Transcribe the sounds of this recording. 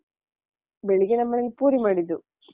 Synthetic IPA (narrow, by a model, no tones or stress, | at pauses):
beɭiɡenɐmːɐnɐlpuːɾimaːɽit̪ːu